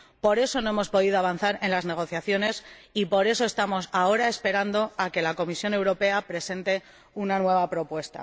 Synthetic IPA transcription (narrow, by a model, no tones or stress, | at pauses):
po̞ɾe̞so̞no̞e̞mo̞spo̞ðiðoaβan̟θaɾe̞nlazne̞ɣ̞o̞θjaθjo̞ne̞sipo̞ɾe̞so̞e̞st̪amo̞sao̞ɾae̞spe̞ɾand̪o̞ake̞lako̞misjo̞ne̞wɾo̞pe̞apɾe̞se̞nt̪e̞ | unanwe̞β̞apɾo̞pwe̞st̪a̰